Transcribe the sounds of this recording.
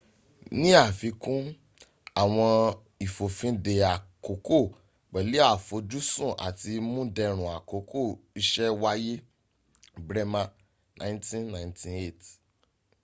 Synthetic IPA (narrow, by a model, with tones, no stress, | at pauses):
nĩ˦a˦˨fi˧˦kũ˦ | a˨w̃ɔ̃˧ | i˨fo˨fĩ˨˦de˧a˨ko˨˦ko˦˨ | k͡pɛ˨li˨˦a˦˨fo˨˧d͡ʒu˦sũ˦˨ʔa̰˨ti˧mũ˦dɛ˧ɾ̃ũ˨a˨ko˨˦kʰo˦˨i˧ʃɛ˦wa˦je˦ | bɾɛ˦mã˧ | nʔã̰˨˦ntĩ˦nnã˨ntʰĩ˨e˦˨t